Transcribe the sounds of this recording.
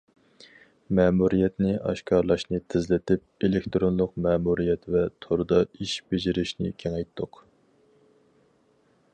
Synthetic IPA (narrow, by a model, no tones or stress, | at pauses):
mɛːmuɾijɛt̪nɪɑ̰ʃkʰɑɾlˠɑʃnɨt̪ʰɪzlɪt̪ʰɪp̚elekt̪ɾonlˠʊqmɛːmuɾijɛt̪vɛt̪ʰoɾd̪ɑiʃbed͡ʒɪɾɪʃnɪ̰kʲʰeŋɛjt̪ʰːʊq